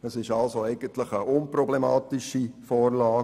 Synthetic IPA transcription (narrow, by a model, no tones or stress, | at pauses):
əsɪʃɑlsoɛɪɡ̥ənt̪ləχəʔʊnprɔblemɑːt̪ɪʃifɔːɾlɑː